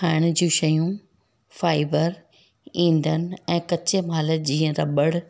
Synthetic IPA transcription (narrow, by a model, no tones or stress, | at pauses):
aːɪɽ̃ʊd͡ʑũːʃɐjũ | faːɪbəɾ | ĩːn̆d̪ənɪ̆ɛ̃ːkɐt͡ɕemaːləd͡ʑiːə̃ɾɐɓəɽ